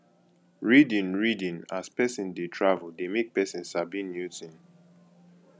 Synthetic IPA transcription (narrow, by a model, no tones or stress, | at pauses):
ɹidĩnɹidĩnaspɛsĩndetʰɹavəlˠdemek̚pɛsĩnsavbĩnjutĩn